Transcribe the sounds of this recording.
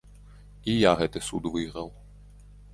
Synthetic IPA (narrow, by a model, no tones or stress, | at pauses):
ijaɦɛt̪ɛsud̪ʋɪɦɾɐw